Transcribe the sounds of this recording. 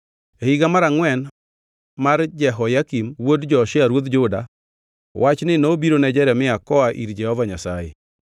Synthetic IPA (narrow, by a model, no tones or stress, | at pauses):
ehiɡamaɾaŋwɛn | maɾd͡ʒɛɦɔjakimwodd͡ʒɔʃɪaɾwot̪d͡ʒʊda̰ | wʔat͡ʃnɪnobiɾonɛd͡ʒɛɾɛmɪakɔaʔḭɾd͡ʒɛhɔvaɲasa̰jḛ